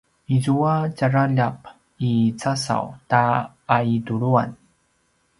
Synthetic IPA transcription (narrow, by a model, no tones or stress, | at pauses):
izuat͡ɕaɾaʎap̚ | it͡sasa̰wtaː | iduɾua̰n